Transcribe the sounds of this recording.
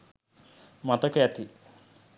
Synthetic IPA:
mɐt̪ɐket̪i

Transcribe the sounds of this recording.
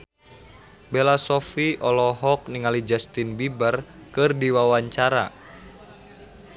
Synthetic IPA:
belasɔfiʔɔlɔɦɔk̚niŋalid͡ʒast̪inbibərkɨrdiwawaɲt͡ʃaɾa̰

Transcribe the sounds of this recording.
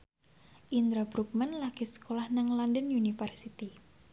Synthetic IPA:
ʔind̪ɾabɾuk̚mɛnlaɡ̥isə̥kolahnaŋlandənunifɛrsit̪i

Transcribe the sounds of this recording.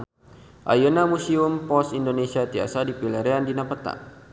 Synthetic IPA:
ʔa̰jonamusiumpɔsindonesiat̪ia̰sadipilɛɾeandinapət̪a̰

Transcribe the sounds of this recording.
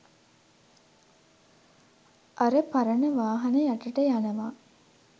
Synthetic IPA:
ʔɐɾəpɐɾɐnəʋaːɦɐnɐjaʈɐʈəjanɐʋaː

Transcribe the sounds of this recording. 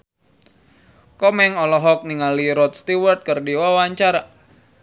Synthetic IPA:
kɔmɛŋɔlɔɦɔk̚niŋaliɾɔt̪̚st̪iwərt̪̚kərdiwawaɲt͡ʃaɾa

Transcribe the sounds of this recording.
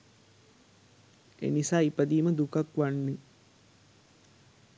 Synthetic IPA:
ḛnisaːipəd̪iːməd̪ukakʋanːi

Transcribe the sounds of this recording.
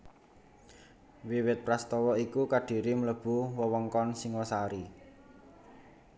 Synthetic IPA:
wiwɪt̪̚pɾast̪ɔwɔikukaɖ̥i̤ɾimələb̥ṳwəwɔŋkɔnsiŋɔsaɾi

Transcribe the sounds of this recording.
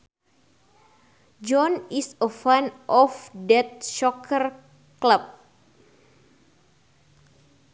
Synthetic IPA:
d͡ʒɔnisəfanʔɔfdɛt̪̚ʃɔkʰər | kləp̚

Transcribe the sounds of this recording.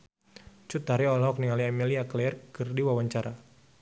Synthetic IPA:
t͡ʃut̪aɾiɔlɔɦɔk̚niŋaliamiliaklɛrkɨrdiwawaɲt͡ʃaɾa

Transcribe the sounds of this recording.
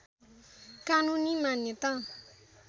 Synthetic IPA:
kanũnĩmãnẽt̪ã

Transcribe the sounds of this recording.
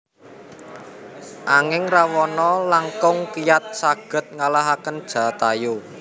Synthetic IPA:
ʔaŋɪŋrawɔnɔlaŋkʊŋkijat̪̚saɡ̥ə̤t̪̚ŋalaɦakənd̥ʒ̥a̤t̪ajo

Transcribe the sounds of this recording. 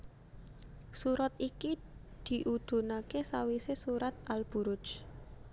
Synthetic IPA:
suɾat̪iki | d̪̥i̤ʔud̪̥ṳnakesawisesuɾat̪̚alb̥ṳɾʊ̥d͡ʒ

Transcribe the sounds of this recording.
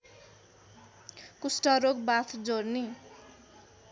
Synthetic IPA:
kusʈʌɾok̚bat̪ʰd͡zorni

